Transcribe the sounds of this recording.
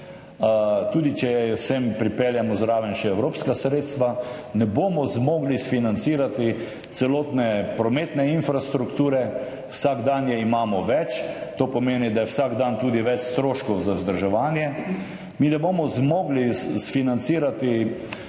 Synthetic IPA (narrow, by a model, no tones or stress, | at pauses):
t̪uːd̪it͡ʃɛjɛsempɾipeljamɔzɾaːʋənʃɛɛwɾoːpskasɾeːt̪st̪ʋanɛboːmɔzmoːɡlisfinant̪siːɾat̪i | t̪sɛloːt̪nɛpɾɔmeːt̪nɛinfɾast̪ɾukt̪uːɾɛ | wsaɡd̪anjɛimaːmɔʋɛt͡ʃt̪oːpɔmeːnid̪ajɛwsaɡd̪ant̪uːd̪iʋɛt͡ʃst̪ɾoːʃkɔwzazd̪əɾʒɛʋaːnjɛ | miːnɛboːmɔzmoːɡlisfinant̪siːɾat̪i